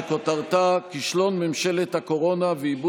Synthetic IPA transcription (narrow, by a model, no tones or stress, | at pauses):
kot̪aʁt̪akiʃlo̞nmemʃelet̪hako̞ʁo̞naveibu